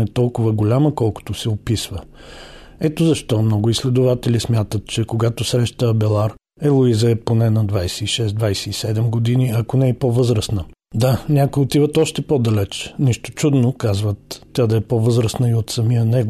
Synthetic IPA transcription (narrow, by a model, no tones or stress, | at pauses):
ɛt̪ɔlˠkʊvəɡolʲaməkɔlˠkʊ̥t̪ʊsɛopisvə | ɛt̪ozɐʃt̪ɔmnɔɡʊislɛd̪ʊvat̪ɛlismʲjat̪ət̪t͡ʃɛkoɡat̪osɾɛʃt̪əːbɛlˠaɾ | ɛlˠoizəɛponɛnɐd̪vajsɛiʃɛsd̪d̪vajsɛisɛd̪ɛmɡod̪iniɐkonɛipovɤzɾəsnə | d̪anʲakʊjot̪ivət̪ɔʃt̪ɛpɔd̪ɐlɛt͡ʃnɛʃt̪o̥t͡ʃud̪nokazvət̪ːʲad̪ɐɛpovɤzɾəsnəiot̪sɐmijənɛɡ